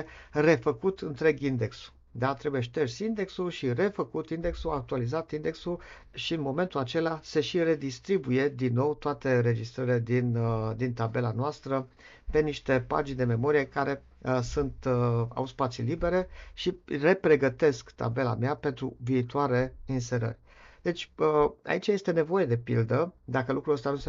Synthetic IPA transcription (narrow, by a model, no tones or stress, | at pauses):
re̞fəkut̪ɨnt̪ɾe̞ɡind̪e̞ksu̥ | d̪at̪ɾe̞bujeʃt̪ersʲind̪e̞ksulʃire̞fəkut̪ind̪e̞ksuak̚t̪ualizat̪ind̪e̞ksul | ʃiɨnmo̞me̞nt̪ulat͡ʃe̞lase̞ʃire̞d̪ist̪ɾibuje̞d̪inːo̞wt̪oat̪e̞ɾe̞d͡ʒist̪ɾəɾile̞d̪ind̪int̪abe̞lanoast̪ɾə | pe̞niʃt̪e̞pa̰d͡ʒind̪e̞me̞mo̞ɾijekaɾe̞ | sunt̪a̰wspat̪silibe̞ɾe̞ʃire̞pɾe̞ɡət̪e̞skt̪a̰be̞la̰meape̞nt̪ɾuviːt̪uaɾe̞inse̞ɾə̰rʲ | d̪e̞t͡ʃʲəa̰it͡ʃajest̪e̞ne̞vo̞je̞d̪e̞pḭld̪əd̪akəlukɾuəst̪anuse